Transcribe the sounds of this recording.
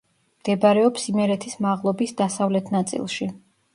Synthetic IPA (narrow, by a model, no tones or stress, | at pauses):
md̪̥ɛbaɾɛɔpsimɛɾɛt̪ʰismaʁlˠɔbisd̪asavlɛt̪ʰnat̪sʼḭlˠʃi